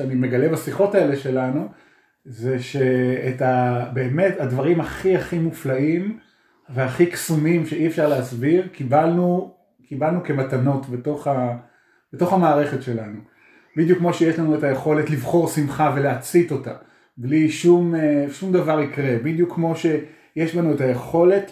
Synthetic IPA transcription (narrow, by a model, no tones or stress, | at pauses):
eanime̞ɡalebasiχo̞tae̞le̞ʃe̞lanu | ze̞ʃe̞ːtabe̞ːme̞thadvaʁimhaχiaχimuflaim | ve̞aχiksumimʃe̞ʔiefʃaʁleasbiʁkibalnu | kibalnuke̞matano̞tbeto̞χa | b̥eto̞χamaːʁe̞χetʃe̞lanu | bidjukːmo̞ʃejeʃlanue̞taje̞χo̞letlivχo̞ʁsimχave̞leat͡sito̞ta | bliʃumeʃumdavaʁikʁe̞bid̪jukʰːmo̞ʃe̞ | jeʃlanue̞taje̞χo̞le̞t